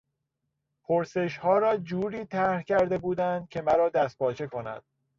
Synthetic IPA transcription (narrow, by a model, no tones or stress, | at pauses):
pʰoɾse̞ʃhɒːɾɒːd͡ʒuːɾiːt̪ʰæhcʰæɾd̪e̞buːd̪ænd̪̥̚cʰe̞mæɾɒːd̪æst̪̚pʰɒːt͡ʃʰe̞kʰo̞næ̰d̪̥̚